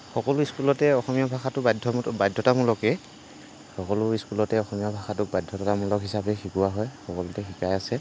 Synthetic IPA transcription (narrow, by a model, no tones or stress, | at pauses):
xɔkɔlʊiskulɔtɛɔxɔmijɔbʱaxatʊbajdʱɔbajdʱːɔtamulɔkɛ | xɔkɔlʊiskulɔtɛɔxɔmijɔbʱaxatʊk̚bajdʱːɔtatamulɔkɦisabɛxikuwaɦɔjxɔkɔlʊtɛxikajasɛ